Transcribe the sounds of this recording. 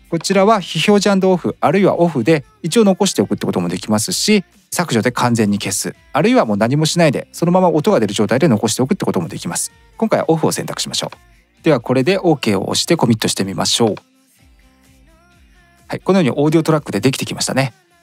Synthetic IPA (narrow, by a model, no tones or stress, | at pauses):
ko̞t͡ɕiɾaβaçiço̞ːʑãnd̪o̞ːɸɯ̟aɾɯ̟iβa̰ʔo̞ɸɯ̟d̪e̞ | it͡ɕio̞no̞ko̞ɕi̥t̪e̞o̞kɯ̟t̪ːe̞kot̪o̞mo̞d̪e̞kʲimasɨɕi | sakɯ̟ʑo̞d̪e̞kʰãnd͡zẽ̞ɲ̟ːike̞sɨ̰ | aɾɯ̟iβamo̞ːnaɲ̟imo̞ɕinaid̪e̞̰so̞no̞mamaʔot̪o̞ɡad̪e̞ɾɯ̟ʑo̞ːt̪aid̪e̞no̞ko̞ɕ̬it̪e̞o̞kɯ̟t̪ːekot̪omo̞d̪e̞̰kʲimasɨ̥ | koŋkaijβa̰ʔoɸɯ̟o̞̰sẽ̞nt̪akɯ̥ɕimaɕo̞̰ː | d̪̥e̞βako̞ɾe̞d̪e̞ʔo̞ːke̞ːo̞̰ʔo̰ɕi̥t̪e̞ko̞mʲit̪ːo̞ɕi̥t̪e̞mʲima̰ɕo̞ː | haiko̞nojoːiʔo̞ːd̪io̞t̪o̞ɾakːɯ̟d̪e̞d̪ekʲi̥t̪e̞kʲimaɕi̥t̪a̰ne̞